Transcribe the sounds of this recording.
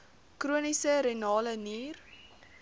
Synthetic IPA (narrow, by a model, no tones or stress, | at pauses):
kruənisəɾenɑːləniːr